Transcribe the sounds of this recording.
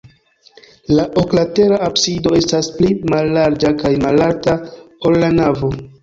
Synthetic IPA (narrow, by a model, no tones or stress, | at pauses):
laʔoklate̞ɾaapsido̞e̞stasplimalːaɾd͡ʒakajmalaɾtao̞lːanavo̞